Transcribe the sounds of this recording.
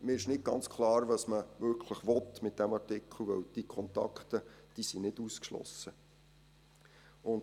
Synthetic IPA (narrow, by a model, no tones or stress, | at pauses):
mɪːɪʃnɪd̚ɡ̥ɑ̰nt͡skʰlɑːɾvɑsməmɵkχʰləχʋɔt̪mɪt̪̚d̥æmɑrtɪkʰl̩ˠʋɛ̰wd̥ikʰɔnt̪ɑ̰kχt̪əd̥iːsinɪduskʃlɔ̰sːə | ʊn